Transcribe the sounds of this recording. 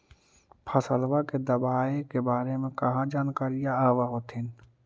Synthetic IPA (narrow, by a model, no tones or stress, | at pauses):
pʰəsəlʋaked̪əbaːekebaːɾemẽkɐɦãd͡ʒaːnkaːɾijaaːwaɦoːt̪ɪn